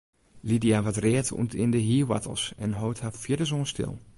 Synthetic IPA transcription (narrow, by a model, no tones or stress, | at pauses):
lidiaʋatrɛətʰṵntʰɪndəɦiːʋa̰tə̰l̩ˠsɛnɦoːthafjɪdəzoːnstʰɪ̰lˠ